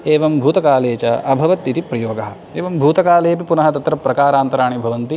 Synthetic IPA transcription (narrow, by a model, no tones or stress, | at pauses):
eːʋɐmbʱuːt̪ɐkaːleːt͡ʃɐɐbʱɐʋɐt̪it̪ipɾɐjoːɡɐɦɐ̆ | eːʋɐmbʱuːt̪ɐkaːleːpipunɐɦɐt̪ɐt̪ɾɐpɾɐkaːɾaːnt̪ɐɾaːɳ̃ibʱɐʋɐnt̪i